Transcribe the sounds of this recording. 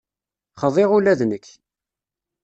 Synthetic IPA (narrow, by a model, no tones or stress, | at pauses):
χəðˤɪʁulæðnəkː